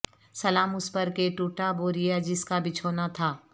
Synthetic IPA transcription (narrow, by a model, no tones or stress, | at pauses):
sɐlaːmʊspɐɾkeʈuːʈaboːɾijad͡ʒɪskabɪt͡ʃʰoːnat̪ʰaː